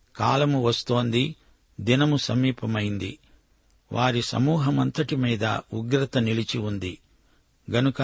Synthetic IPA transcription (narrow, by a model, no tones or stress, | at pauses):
kaːlɐmuʋɐst̪o̞ːnd̪i | d̪inɐmusɐmiːpʰɐmɐjind̪ḭ | ʋʔaːɾisɐ̰muːɦɐmɐnt̪ɐʈimiːd̪ɐ̰uɡɾɐt̪ɐnilit͡ʃiund̪i | ɡɐnukɐ